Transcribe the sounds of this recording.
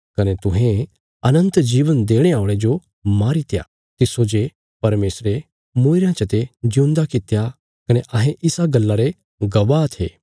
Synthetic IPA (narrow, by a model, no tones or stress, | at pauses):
kɐnet̪ʊ̃ɦẽ | ɐnə̃nt̪d͡ʒiːʋənd̪eːɽ̃eaːʊ̃ɽ̃ed͡ʒo | maːɾit̪ja̰ | t̪ɪsod͡ʒe | pɐɾmeːsɾe | muɪɾjãt͡ʃət̪ed͡ʒũnd̪akɪt̪ja | kɐneʔɐɦẽʔɪsaɡɐlːaɾe | ɡɐʋat̪ʰḛː